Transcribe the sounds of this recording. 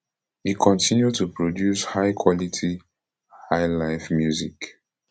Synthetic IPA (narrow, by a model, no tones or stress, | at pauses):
ikʰɔ̃ntʰĩnjudtupɹodjushaɪkʰwɔlitʰi | haɪlaɪfmjuzik